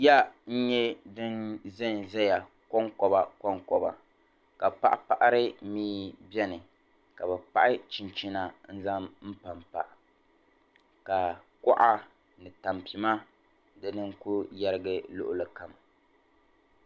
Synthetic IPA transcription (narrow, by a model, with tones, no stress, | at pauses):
ja˦n̩˦ɲɛ˦dɨ˦nzɨ˦n˨zɛ˦ja˨ | kɔ˦ŋkɔ˨ba˦kɔ˦ŋkɔ˨ba̰˨ | ka˨pa˦ʔa˦pa˨ʔa˦ɾɨ˦miː˦bɛ˦nɨ˨ | ka˨bɛ˨pa̰˦ʔɪ˦t͡ʃi˨nt͡ʃi˦na˨n̩˦za˦mm̩˦pa˨mpa˨ʔ | ka˨ | kɔ˦ʔa˦ | nɨ˨ta˨mpi˨ma˦ | dɨ˦nɨ˦ŋ˦ku˦ja˦ɾɨ˦ɡɨ˦lʊ̰˦ʔʊ˦lɨ˨ka˨m